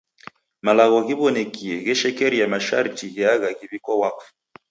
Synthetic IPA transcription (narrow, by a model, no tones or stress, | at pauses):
malaɣɔɣiβɔnɛkʰiɛɣɛʃɛkɛɾijamaʃa̰ɾitiɣɛaɣaɣiβikɔwakf